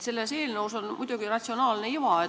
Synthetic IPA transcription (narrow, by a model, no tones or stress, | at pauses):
se̞lːeseːlnəwsonmujd̪̥uɡ̥irɑt̪ʲsio̞nɑːlneiʋɑe